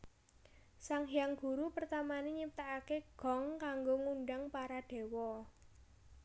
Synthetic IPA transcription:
saŋɦjaŋɡ̥uɾupərt̪amaneɲip̚t̪aʔakeɡ̥ɔ̤ŋkaŋɡoŋunɖaŋpaɾaɖ̥e̤wɔ

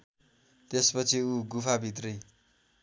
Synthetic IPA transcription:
t̪espʌt͡sʰiuɡupʰabʱit̪̬rʌj

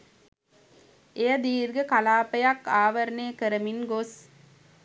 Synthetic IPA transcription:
ejɐd̪iːɾɡəkalaːpəjakːaːʋɐɾneːkəɾəminɡos

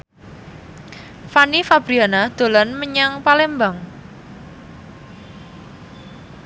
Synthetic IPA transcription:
fanifab̥ɾianad̪̥o̤lɔnməɲaŋpalembaŋ

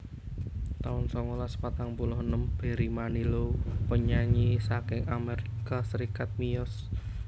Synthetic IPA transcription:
t̪aʊnsɔŋolaspat̪aŋpulʊhənəmb̥e̤ɾimanilopəɲaɲisakɪŋameɾikasəɾikat̪̚miɔs

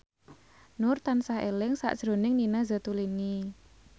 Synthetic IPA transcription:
nʊrt̪ansahʔelɪŋsa̰ʔd̥ʒ̥ɾo̤nɪŋninazə̤t̪uliŋi

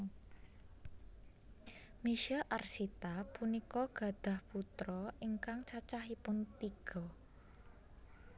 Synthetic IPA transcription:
miʃɛʔarsit̪apunikɔɡ̥ä̤d̪̥a̤hput̪ɾɔiŋkaŋt͡ʃat͡ʃaɦipʊnt̪iɡ̥ɔ

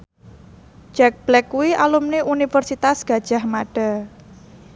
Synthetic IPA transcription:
d͡ʒ̥ɛk̚b̥lɛkːuwialumniʔunifərsit̪asɡ̥a̤d̥ʒ̥a̤hmaɖ̥a

